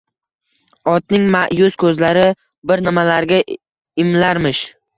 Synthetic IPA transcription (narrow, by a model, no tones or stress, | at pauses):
ɒt̪nɪŋmaʔjʊskʰɵzlaɾɪ | bɪɾnɪmalaɾɡʲa | ɪmlaɾmɪʃ